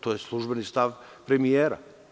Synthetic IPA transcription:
t̪ojeslˠuʒbɛnist̪af | pɾɛmieɾa̰

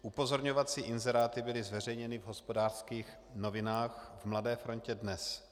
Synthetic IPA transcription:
ʔupo̞zo̞ɾɲovat͡siːʔɪnzɛɾaːt̪ɪbɪlɪzvɛrɛjɲɛnɪvɦo̞spo̞daːr̥skiːx | novɪnaːxvmladɛːfɾo̞ncɛdnɛs

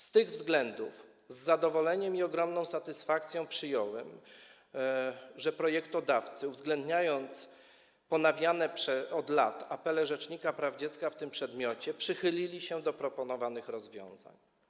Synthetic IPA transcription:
st̪ɘɣvzɡlɛnd̪uf | zːad̪ɔvɔlɛɲɛmiɔɡɾɔmnɔ̃w̃sat̪ɘsfakt̪sʲjɔ̃w̃pʂɘjɔwɛm | ʐɛpɾɔjɛkt̪ɔd̪aft̪sɘuvzɡlɛnd̪ɲajɔnt̪s | pɔnavʲjanɛpʂɛɔd̪lat̪apɛlɛʐɛt͡ʂɲikapɾavd͡ʑɛt̪skaft̪ɘmpʂɛd̪mʲjɔt͡ɕɛpʂɘxɘlʲilʲiɕɛd̪ɔpɾɔpɔnɔvanɘxɾɔzvʲjɔ̰̃w̃za̰ɲ

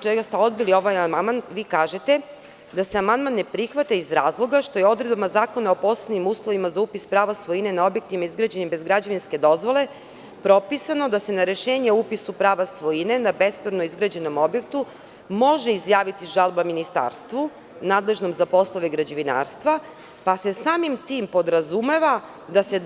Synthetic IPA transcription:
oɡ̚t͡ʃeɡast̪eo̞d̪bilio̞ʋajamanmanʋiːkaːʒet̪e | d̪aseamand̪manːepɾixʋat̪aizɾaːzlˠo̞ɡaʃt̪o̞jeo̞d̪ɾed̪bamazaːko̞nao̞po̞slˠenimuːslˠo̞ʋimazaupispɾaːʋasʋo̞ine̞nao̞bjek̚t̪imaizɡɾad͡ʑenimbe̞zɡɾad͡ʑaʋinske̞d̪o̞zʋo̞le̞ | pɾo̞pisano̞d̪ase̞naɾe̞ʃe̞ːɲeupisupɾaːʋasʋo̞ine̞nabe̞spɾono̞izɡɾad͡ʑe̞no̞mo̞bje̞kt̪u | mo̞ʒeizjaːʋit̪iʒalˠbaminist̪a̰ːɾst̪ʋu | naːd̪le̞ʒno̞mzapo̞slˠo̞ʋeɡɾad͡ʑeʋina̰ːɾst̪ʋa | pasesaːmimt̪iːmpo̞d̪ɾazume̞ʋa | d̪ase̞

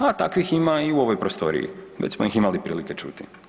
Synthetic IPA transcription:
at̪akʋiximaiuo̞ʋojpɾost̪o̞̰ɾḭjḭʋet͡ɕsmojiximalipɾḭːlike̞t͡ʃṵt̪i

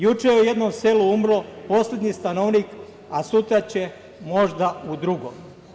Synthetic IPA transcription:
jut͡ʃejeuje̞d̪nomse̞luumɾo̞po̞slʲed̪ɲist̪anoʋnik | asut̪ɾat͡ɕe̞ | mo̞ʒd̪aud̪ɾuɡom

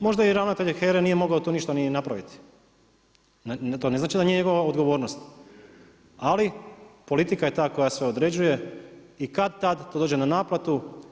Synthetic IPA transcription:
mo̞ʒd̪aiɾaʋnat̪eʎxeɾenije̞mo̞ɡaot̪oniʃt̪aninapɾaʋit̪i̥ | nat̪oːneznaːt͡ʃid̪aniɲeɲeɡo̞ʋaod̪ɡo̞ʋo̞ːɾnost̪ | alipo̞lit̪ikaje̞t̪aːko̞jasʋeo̞d̪ɾe̞d͡ʑuje̞ | ikad̪̚t̪ad̪t̪od̪od͡ʒenanaːplat̪u

